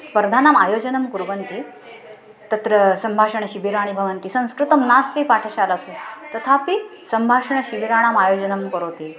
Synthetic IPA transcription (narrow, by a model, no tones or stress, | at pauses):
spəɾd̪ʱaːnaːmaːjoːd͡ʑɐnɐmkuɾʋɐnt̪i | t̪ɐt̪ɾəsɐmbʱaʂɐɳ̃ɐɕibiɾaɽ̃ibʱɐʋɐnt̪isɐ̃ñskɾut̪ɐmnast̪ipaʈʰəɕalasut̪ɐt̪ʰapisɐmbʱaːʂɐɳəɕibiɾaːɽ̃aːmajoːd͡ʑɐnɐmkɐɾoːt̪i